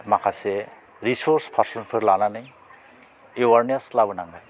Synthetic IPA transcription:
makʰasɛ | ɾisɔɾspʰaɾsɔnpʰɯɾlananɯj | ewaɾneslabɯnaŋɡaj

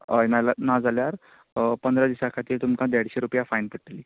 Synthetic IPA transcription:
əjnalanad͡zaljaɾ | pənd̪ɾad̪iɕakʰat̪iːɾt̪umkãd̪aɽɕeɾupjafajnpəʈʈliː

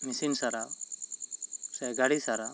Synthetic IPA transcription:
misinsaɾaw | sɛɡaɽisaɾa

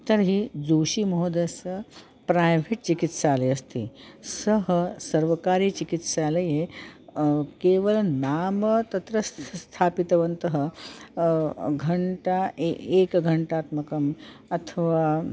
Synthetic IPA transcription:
t̪əɾɦiːd͡zuɕiːmoɦod̪əsə | pɾajʋʱeʈ̚t͡ɕikit̪ɕaləjəst̪ḭːsəɦəsəɾʋəkaɾit͡ɕikit̪saləje | keʋəlnamət̪ɐt̪ɾəsst̪ʰapit̪əʋənt̪əɦə | ɡʱɐɳʈaeekɡʱəɳʈaːt̪məkəmɐt̪ʰəʋa

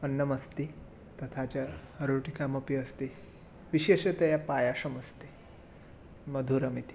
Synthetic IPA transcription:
ənːəmɐst̪i | t̪ɐt̪ʰat͡ɕjaɾoʈikaməpjəst̪i | ʋiɕeʃet̪ɐjapajaʂɐmɐst̪i | məd̪ʱuɾɐmit̪i̥

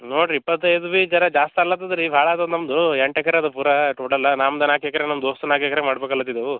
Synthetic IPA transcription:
noːɖipːɐt̪ːɐjd̪uʋit͡ʃɐɾɐd͡ʒaːst̪iɐlːat̪ːɐd̪ɐɾibʱaːɭɐːd̪ɐd̪nɐmd̪ueɳʈɛkɐɾeɐd̪ɐpuːɾɐʈuːɽɐlːɐnaːmɐd̪ɐnaːkɛkɐɾenɐmd̪oːst̪ɐnaːkekɐɾemaːɽbeːkɐlːɐt̪ːid̪eʋu

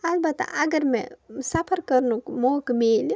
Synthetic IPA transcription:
ɐlbɐt̪ːʔɐɡɐɾmḛsɐpʰɐɾkɐɾnukmoːkmeːli

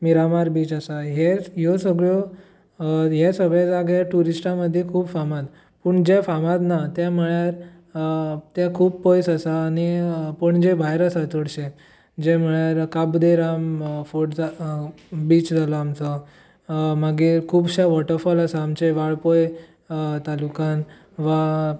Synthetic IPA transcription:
miɾamaɾbiːt͡ɕasaɦejosəɡɭo | jasəɡɭad͡zaɡaʈuɾisʈãməd̪ʱːjekʰuːbfamat̪ | pəɳd͡ʑefamat̪nat̪jam̤əɭjaɾ | t̪jakʰuːb̚pojsasaːñipəɳd͡ʑebʱajɾəsat͡s̪əɽɕe | d͡ʑeməɭjaɾkabd̪eɾamfoʈd͡za | biːt͡ɕd͡zʱalɔamt͡sɔ | maɡikʰuːbɕaʋɔʈəɾfɔlasaamt͡seʋaɭpoj | t̪alukan | ʋa

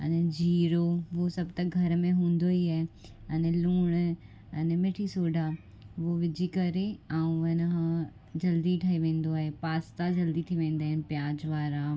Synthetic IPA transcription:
ɐnɛd͡ʑʱiːɾoʋosɐbt̪ɐɡʱɐɾmẽɦũːnd̪oiɛːɐnɛlũːɽ̃ | ɐnɛmeːʈʰisoːɖʱa | ʋoʋɪd͡ʑikɐɾeãːũʋɐnɦã | d͡ʑɐld̪iʈʰaːiʋẽːn̆d̪oaːɦepaːst̪ad͡ʑɐld̪it̪ʰiʋẽːn̆d̪aːɦɪnɪ̆pjaːd͡ʑʋaːɾa

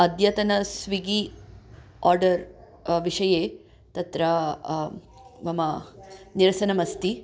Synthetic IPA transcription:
ɐd̪jɐt̪ɐnɐsʋiɡi | ɔːɾɖɐɾ | ʋiʂɐjeː | t̪ɐt̪ɾɐ | ʋɐmɐniɾɐsɐnɐmɐst̪i

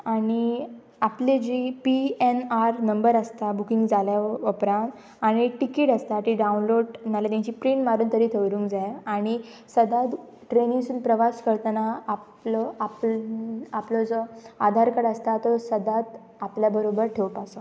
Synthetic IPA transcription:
aɽ̃i | apled͡ʑipienaɾnəmbəɾəst̪abukĩŋɡd͡zaljaupɾãnt̪ | aɽ̃iʈikeʈəst̪aʈiɖaunloɽnalat̪jãɲt͡ɕiːpɾiɳmaɾuːnt̪əɾiːt̪ʰeʋɾũːŋkd͡zajaɽ̃i | səd̪at̪ | ʈɾenĩŋsuːnpɾəʋaskəɾt̪ənaaplɔap | aplɔd͡zɔad̪ʱaɾkəɽəst̪at̪ɔsəd̪at̪ | apljabəɾobəɾʈʰewpasɔ

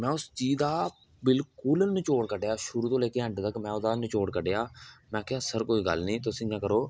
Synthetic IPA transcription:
mɛ̃ːʊst͡ʃiːd̪aː | bɪlkʊlnɪt͡ʃoːɽkəɖeːaːʃʊɾuːt̪õːleːkeːɦə̃ɳʈd̪akmɛ̃ːʊd̪aːnɪt͡ʃoːɽkəɖeaːmɛ̃ːkɪaːsəɾkoːiːɡə̰lnĩːt̪ʊsĩːãːkəɾoː

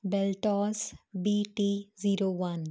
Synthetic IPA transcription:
bɛlʈɔːsbiːʈiziːɾoːʋɐn

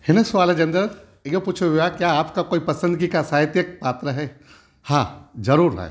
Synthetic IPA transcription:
hɪnəsʋaːld͡ʒɐ̃nd̪ɾəɾ | ijõpuːt͡ʃʰuɦuakjaːpkakoːipɐsə̃nd̪̚kikasaːɦɪt̪jək̚paːt̪ɾəɦɛː | hãːd͡ʒɐɾuːɾɛ̰

